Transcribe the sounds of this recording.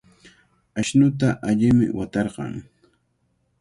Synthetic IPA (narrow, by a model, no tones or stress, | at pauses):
aʃnʊt̪̬aʔaʎɪmɪ̰wat̪ɑɾɢɑ̰ŋ